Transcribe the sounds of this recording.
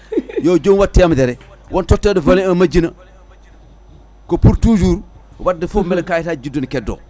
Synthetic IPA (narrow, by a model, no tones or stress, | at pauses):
joːd͡ʒoŋwatːiamdeɾe | wontotːedivɐliɐmad͡ʒinɐ | kopuɾtuːd͡ʒuːɾ | wadifumelkajitad͡ʒidunikedo̰